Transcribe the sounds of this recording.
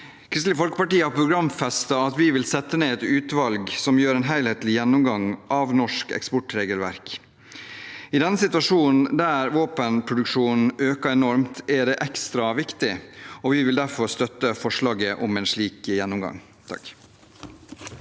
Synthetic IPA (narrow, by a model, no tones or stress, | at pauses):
kʰɾɪst̪lɪəfɔlkə̥pɑʈiːəhɑɾpʰɾʊɡɾɑmfɛst̪ɑɑt̪ʋɪʋɪlsɛt̪ːəneːɛt̪ʉːt̪ʋɑlɡsɔmjøːɾɛːnɦæɪlheːt̪lɪjɛnːʊmɡɑŋʔɑʋnɔʂkɛ̰kspɔʈɾeːɡəlʋæɾk | ɪd̪ɛnːəsɪt̪ʉʋɑʂuːnn̩d̪æɾʋoːpənpʰɾʊd̪ʉkʂuːnn̩øːkɑɛnɔɾmt̪æɖɛːʔɛkst̪ɾɑʋɪkt̪ɪɔʋɪʋɪld̪æɾfɔɾst̪œt̪ːəfɔʂɭɑːɡəʔɔmɛːnʂɭiːkjɛnːʊmɡɑ̰ŋ | t̪ʰɑ̰k